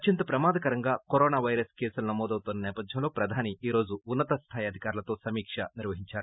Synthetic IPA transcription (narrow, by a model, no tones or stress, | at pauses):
ɐt͡ʃint̪ɐpɾɐmaːd̪ɐkɐɾɐŋɡaːkoɾoːnaːʋɐjɾɐskeːsulunɐmɔːd̪ɐwt̪onːɐnɛːpɐd̪ʱjɐmlo̞ːpɾɐd̪ʱaːniʔiːɾo̞ːd͡ʒuunːɐt̪ɐst̪ʰaːjɐd̪ʱikaːɾulɐt̪o̞ːsɐmiːkʂɐniɾʋɐɦiɲt͡ʃaːɾu